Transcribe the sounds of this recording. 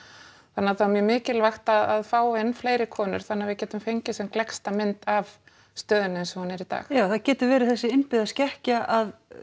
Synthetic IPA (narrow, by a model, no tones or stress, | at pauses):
θanːaθawɛmjɛmɪːcɪlvajxt̪aðaðfaːwenfleːjɾɪkʰɔːnʏ̰ɾ̥θanːavɪcɛːt̪ʏmfejɲcɪsɛmklɛkst̪amɪnt̪av | st̪œːðʏnʏɛnsɛmhunːɛɾit̪a̰ːxjaːwθaðcɛːt̪ʏɾvɛːɾɪθɛsːɪɪnpɪðascɛhcaʔað